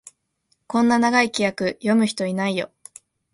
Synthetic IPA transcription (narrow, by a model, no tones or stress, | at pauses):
kõ̞nːanaɡaikʲijakɯ̟jo̞mɯ̟çi̥t̪o̞inaijo̞̰